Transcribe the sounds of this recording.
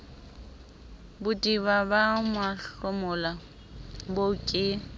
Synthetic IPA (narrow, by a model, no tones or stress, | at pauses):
bʊtʼibabamwaɬʊmʊla | bokʼɪ